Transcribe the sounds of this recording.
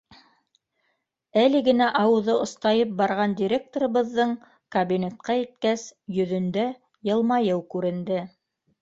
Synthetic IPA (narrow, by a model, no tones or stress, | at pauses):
ælɘ̆ɡɘ̆næʔɑwɤ̆ðɤŏst̪ɑjɤp̚bɑɾʁɑnd̪ʲiɾʲek̚t̪oɾɤ̆βɤ̆ðːɤɴ | kɐbʲinʲet̪̚qɑit̪̚kæsjɵ̆ðɵ̆nd̪æ | jɤ̆lˠmɑjɤwkʉɾɘ̆nd̪ɘ